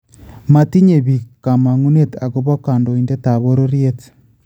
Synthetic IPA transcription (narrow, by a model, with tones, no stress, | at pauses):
ma˨ti˦ɲe˨βi˨ka˨ma˨ŋu˦ne˦ta˨ɣo˦βo˦ka˨ndo˨i˨nde˦ta˨βo˦ɾo˦ɾje˦t